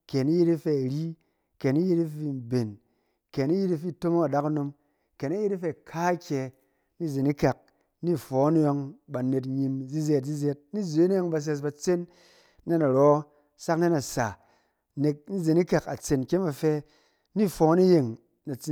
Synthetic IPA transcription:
kɛ˨ni˦ji˦ti˦fe˧˨ɾi˦ | ke˨ni˦ji˦ti˦fi˧˨m˨be˨n | kɛ˨ni˦ji˦ti˦fi˦˨to˦mo˦a˨da˦ka˦no˧m | kɛ˨ni˦ji˦ti˦fe˧˨kʰa˦kʲɛ˧ | ni˦˨ze˨ni˦ka˨k̚ | ni˦fɔ˨˦n˦jɔ˧ŋba˨ne˧t̬ɲi˧mzi˦ze˧t̚zi˦zɛ˧˦t̚ni˦˨ze˨˦ni˦ɔ˦ŋba˧s̬ɛ˧s̬ba˧t͡se˦nː˦ | e˦na˨ɾɔ˦ | sa˦kne˦na˨sa˨ | ne˧k̚ni˦˨ze˨ni˦ka˨ka˨t͡se˨nkʲe˦nba˧fɛ˧ | ni˦˨fɔ˨˦ni˦je˨ŋ | na˨t͡si˨

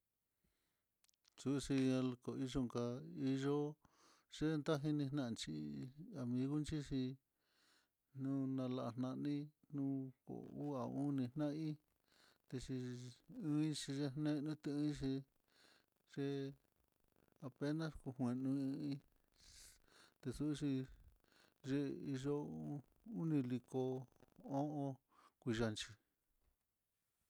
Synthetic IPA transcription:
su˦˧ʂi˧ã˧lko˨i˧ʒo˧ŋka˧i˦˧ʒo˦ | ʐ̥e˦˧nd̪a˦ɦi˧nĩ˧hnã˦˧˨t͡ʃi˧a˨mĩ˧ɣu˦nt͡ʃi˦ʂi˧ | nũ˦nã˧la˧a˧˨n̥nã˧nĩ˦nũ˦ko̰˨u˦a˨ũ˦nĩ˧nã˦ĩ˦ | t̪e˧ʂi˧ɨ̃˦ĩ˦t͡ʃi˧ʐe˧˦nẽ˦˧nũ˦t̪e˧ɨ̃˦i˦˧ʃi˧ | ʒ̥e˧ | a˧pe˦nã˦sku˧hwẽ˧nũ˧ɨ̃˧˦ĩ˦ | t̪e˧su˦˧ʂi˧ | ʒe˦i˧ʒo˦˧ | u˦nĩ˧li˧ko˧o˦ʔõ˧ | kʷi˧ʒa˧nt͡ʃi˧

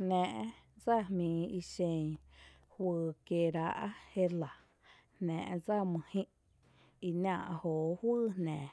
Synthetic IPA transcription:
nɛ̃ː˨ʔd͡za˦˨hmĩː˨i˧ʃẽ˧˨ɲ | hwɨː˧ke˧˨ɾa˧˦ʔa˦he˦la˨ | hnɛ̰̃ː˨ʔd͡za˦˨mɨ̃˧hĩ˦ʔ | i˧nãː˧˨ʔhoː˨hwɨː˦˨nɛ̃ː˨

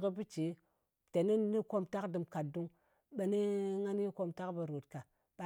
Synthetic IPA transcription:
kə˦bi˦t͡ʃe˨˦ | te˨ni˦ni˦ko˦mta˦kdɨ˨mka˨t̚du˦ŋ | ɓe˨ni˦ŋa˦n˦i˦ko˦mta˦kba˨ɾo˨tka˨ | ɓa˨

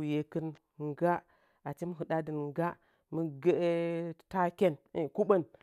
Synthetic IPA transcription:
u˨je˨kə˦n | ŋ˨ɡa˦ | a˨t͡ʃi˦mə˦ɦɨ˨da˦də˨n˦ɡa˦ | mə˦ɡe˦ta˦kʲe˦n˨ku˦ɓə˦n

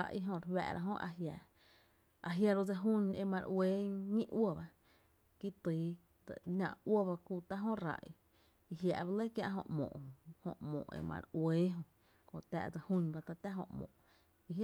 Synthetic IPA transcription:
a˧ʔi˧ɦõ˧ɾwɛ̰˧˨ɾa̰˧ɦõ˦ʔa˧ɦja˧˨ | a˧ɦja˧ɾo˧d͡za˧ɦũ˦ɲe˧mã˧ɾʔweː˨˦ŋĩ˦ʔwə˦˨ba˧ | ki˦t̪iː˨˦ | t̪ə˨nã̰˧ʔwə˦ba˧kuː˧t̪a˦ɦõ˦ɾa̰˧ʔi˧ | i˧ɦja˧ʔba˧le˦kjã̰˧ʔɦõ̰˧ʔmõ̰ː˨ʔõ˨hõ̰˧ʔmõ̰ː˨ʔḛ˨mã̰˧ɾweː˦ɦõ˧ | kõ˧˨t̪a̰˧ʔd͡zə˧hũ˦nba˧t̪a˧t̪a˦ɦõ̰˧ʔmõ̰ː˨ʔ | i˧

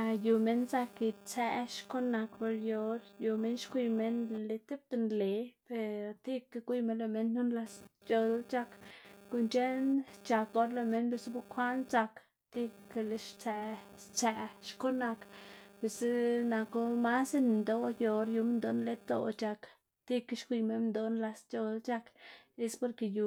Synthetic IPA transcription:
ju˧me˦nsa˧ki˧t͡se˧ʃko˦na˧kpo˧ɾjo˧ɾju˨˧me˦nʃkʷi˧me˦nle˧t̪e˦p̚t̪e˧nle˨pe˧ɾt̪i˦ka˧kʷi˦me˧nle˧me˦nnu˦nla˧st͡ʃo˧d̪t͡ʃa˧kku˧nt͡ʃe˦nt͡ʃa˧ko˧ɾle˧me˧˦nbe˧sbu˦kʰʷa˦nsa˧k | t̪i˦˧ke˧le˧ʃt͡sæ˧t͡sæ˧ʃko˦na˧kbe˨sna˧ko˦ma˦se˦ni˨nd̪o˦jo˧ɾju˧m˦nd̪o˧˦nle˧˦t̪o̰˧t͡ʃa˧k | t̪i˦kʃkʷi˧me˦nnd̪o˧nla˧st͡ʃo˧lt͡ʃa˦˧ke˧spo˧ɾke˧ju˧

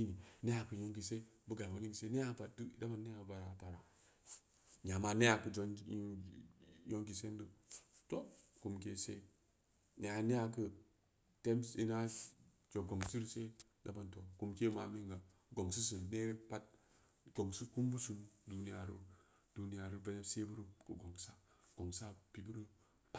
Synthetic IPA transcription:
i˦ni˨ne˦ja˨kə˨jo˦ŋɡi˨se˦bə˦ɡa˨ba˦li˦ŋ˨se˦ne˦a˦pa˨dɨ˦˨˦da˦ba˨nːe˦a˨ba˨ɾa˨ta˨ɾa˨ | ɲa˨ma˨ne˦a˨kə˨d͡ʒo˨n˦u˦ | jo˦ŋɡi˨se˦n˦də˨to˦ku˨mke˦sḛ˦ | ne˨˦a˨˦ne˦a˨kə˦ | te˦msḭ˦na˦ | d͡ʒo˨ɡo˨ŋsi˦ɾse˦da˦ba˨nto˨ku˨mke˦ma˨mi˦ŋɡa˨ | ɡo˨ŋsi˦s̬ə˨ne˦ɾe˦pa˦t̚ | ɡ̥o˨ŋsu˦ku˦m˦bu˦su˨nu˦du˨ni˦a˨ɾṵ˦ | d̥u˨ni˦ja˨ɾu˦ve˦ne˦bse˦bu˦ɾu˦kə̰˨ɡo˨ŋsa˦ɡ̥o˨ŋsa˦pi˨bu˦ɾə˦ | pa˦

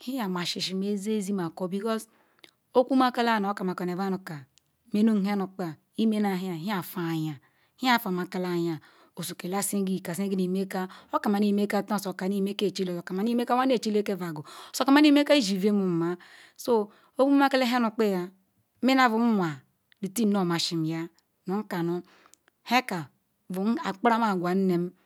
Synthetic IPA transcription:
hi˦ja˨m˨a˨ʃi˨ʃi˨me˦ze˦zi˦ma˨ko˨˦bi˨kɔ˦s | o˦ku˦ma˦ka˦la˦˨n˨o˦ka˨ma˨ko˨n˨e˨va˦nu˨ka˨ | me˦no˦˨ɦi˦a˦nu˨k͡pa˨ | i˦me˦na˨ɦi˦a˨ɦi˦a˨fa˨ja˨ | hi˦a˦˨fa˨ma˨ka˦la˨ja˨ | o˨su˨ke˨la˦si˦ɡi˦˨ka˨si˦ɡi˦ni˨me˦ka˦o˦ka˨ma˨ni˨me˦ka˦˨ta˦˨so˨ka˨ni˦˨me˦ke˦˨t͡ʃi˦lo˨o˨ka˨ma˨ni˦e˦ka˦wa˦ne˦˨t͡ʃi˦le˦ke˦va˨ɡo˨so˨ka˨ma˦ni˦me˦ka˦i˦ʒi˨ve˦mu˨m˨ma˨ | so˦ | o˦bu˦ma˦ke˦le˦ɦa˦nu˨k͡pe˦ja˨˦ | me˦na˨vu˨m̩˦mʷ˨a˨ | li˨ti˦no˦˨ma˨ʃi˨m˨ja˦ | no˨˦ŋ̩˦ka˨no˦ | he˦ka˨ | vu˨˦a˨k͡pa˦ɾa˦ma˨ɡʷa˨n̩˦ne˨m˦

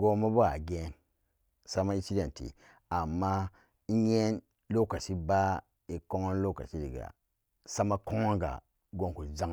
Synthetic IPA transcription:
ɡo˦ma˦bo˦ɡa̰˨ɡe˦n | sa˦ma˦i˦si˦de˨ntḭ˨ | a˨mːa˦ | i˦je˦n | lo˦ka˨si˦ba˦ | i˨ko˦ŋo˦nlo˦ka̰˨si˦dḭ˨ɡa̰˨ | sa˦ma˦ko˦ŋo˦nɡa̰˨ | ɡo˨ŋku˨za˦

